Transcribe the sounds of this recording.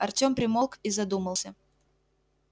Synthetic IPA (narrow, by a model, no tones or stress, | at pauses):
ɐrtʲo̞mpɾʲɪmolˠkizɐd̪uməlˠsʲə